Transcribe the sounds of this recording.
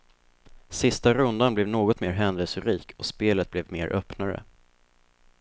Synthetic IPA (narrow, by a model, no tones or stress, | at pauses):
sɪst̪aɾɵnd̪anblɛvnoːɡɔt̪meːɾɦɛnd̪əlsəɾiːkʰɔspeːlət̪̚blɛvmḛːɾʔœpnaɾə̰